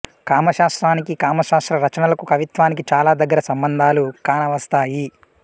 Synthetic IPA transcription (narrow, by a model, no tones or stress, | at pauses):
kaːmɐʃaːst̪ɾaːnikikaːmɐʃaːst̪ɾɐɾɐt͡ʃɐnɐlɐkukɐʋit̪ʋaːnikit͡ʃaːlaːd̪ɐɡːɐɾɐsɐmbɐnd̪ʱaːlukaːnɐʋɐst̪aːji